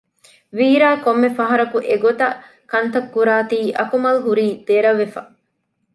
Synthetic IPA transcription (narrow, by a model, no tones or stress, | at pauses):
ʋiːɾaːkomːefɐɦɐɾɐkuʔeɡot̪ɐ | kɐnt̪ɐkːuɾaːt̪iːʔɐkumɐlɦuɾiːd̪̥eɾɐʋːefɐ̰